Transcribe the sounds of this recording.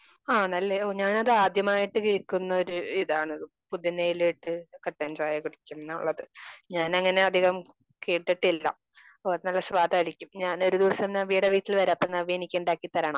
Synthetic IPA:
aːnɐlːeɲaːnɐðɨaːd̪jɐmaːjiʈːɨkiːɭkunːɐo̞ɾuiðaːɳɨ | pud̪ʱjɐnːejileʈːɨkɐʈːend͡ʑaːjɐkiɽikʲːunnːɐṵɭːɐðɨɲaːnɐŋːɐne̞ɐd̪ʱiɣɐm | keːʈːiʈːilːɐ̰ | oːɐðɨnɐlːɐsʋaːd̪ʱaːɾikʲːumɲaːno̞ɾud̪iʋɐsɐmnaːʋiːɽɐʋiːtːilʋɐɾapːɐnːɐʋienikʲːɐuɳɖaːkːit̪ːɐɾɐɳɐm

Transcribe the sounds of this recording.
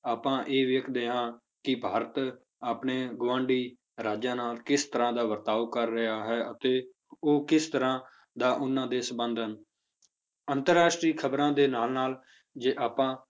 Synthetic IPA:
aːpãːʔeːʋeːkʰd̪eːãː | kɪbʱaːɾət̪ | aːpneːɡʊʋãːɳɖiː | ɾaːd͡ʒãːnaːlkɪst̪əɾãːd̪aːʋəɾt̪aːʋkəɾːɪɦaːɦɛːʔət̪eː | oːkɪst̪əɾãː | d̪aːʔʊnːãːd̪eːsəbənd̪ʱən | ənt̪əɾaːʃʈɾiːkʰəbɾãːd̪eːnaːlnaːl | d͡ʒeːʔaːpãː

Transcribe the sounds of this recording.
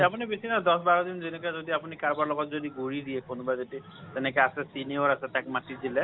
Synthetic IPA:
apunibesʰinad̪ɔsbaɹɔd̪inzenɛkazodiapunikaɹbaɹlɔɡɔtzodiɡuɹidiɛkʰonbazeti | t̪ɛnɛkajasɛsiniɔɹasɛt̪akmatidilɛ

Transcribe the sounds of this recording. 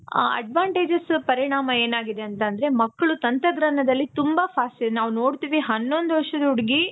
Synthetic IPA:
a̰ɐ̰ɖʋaːɳʈeːd͡ʒɐspɐɾiɳaːmɐe̞ːnaːɡid̪e̞ɐnt̪ɐnd̪ɐɾe̞mɐkːɐɭut̪ɐnt̪ɐɡɾɐnɐd̪ɐlːit̪umbɐpʰaːsilnaːʋuno̞ːɽt̪iːʋiɦɐnːo̞nd̪uʋɐʂɐd̪ɐuɽiɡi

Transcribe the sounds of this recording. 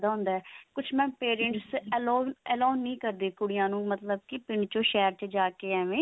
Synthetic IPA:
d̪aːɦʊ̃nd̪aːɛːkʊt͡ʃʰmɛ̃ːpeːɾəɳʈsloːɛːloːnːĩːkəɾd̪eːkʊɽɪjãːnũːmət̪ləbkɪpɪɳɖt͡ʃõːʃɛːɾt͡ʃd͡ʒaːkeːɛːʋẽː

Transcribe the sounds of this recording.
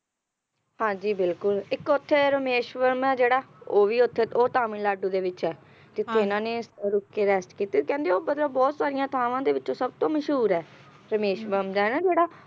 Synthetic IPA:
hãːd͡ʒiːbɪlkʊlɪkʊt̪ʰːeːɾəmeːʃʋəɾmaːd͡ʒeːɽaːoːʋiːʊt̪ʰːeːoːt̪aːmĩnlaːɖuːd̪eːʋɪt͡ʃɛː | d͡ʒɪt̪ʰːeːɪnãːneːsɾʊkːeːɾɛːsʈkiːt̪eːkɛ̃ːnd̪eoːbəd̪ləbɔːt̪saːɾijãːt̪ʰaːʋãːd̪eːʋɪt͡ʃõːsəb̚t̪õːməʃɦuːɾɛː | ɾəmeːʃʋəɾmd̪aːɛːnaːd͡ʒeːɽaː

